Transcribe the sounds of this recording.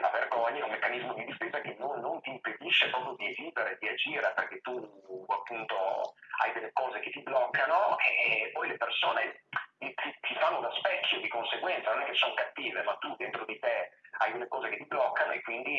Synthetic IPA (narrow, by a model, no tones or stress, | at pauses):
lʔa̰verɡɔɲːɛumːekːanizmod̪id̪ifeːzakenːonːont̪iːmped̪iʃːepɾɔːpɾjod̪ieziːveɾed̪iad͡ʒiːɾaperk̟et̪ːuapːunt̪oa̰jd̪elːekɔːzeket̪iblɔkːanoepːɔjlepersoːnet̪it̪it̪ifanːod̪aspɛkʰːjod̪ikonseɡwɛnt̪sanonɛkːesoŋkat̪ːiːvemat̪ːud̪ent̪ɾod̪it̪eajd̪elːekɔːzeket̪ːiblɔkːanoekːwind̪i